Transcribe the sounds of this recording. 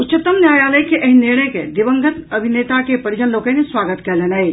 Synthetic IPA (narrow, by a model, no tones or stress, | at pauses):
utːt͡ʃət̪əmnjaːjaːləjkeʔɐɦiniɾɳəjked̪iʋəŋɡət̪əbʱinet̪akepəɾid͡ʒənlokə̃nesʋaɡət̪kɛlenəj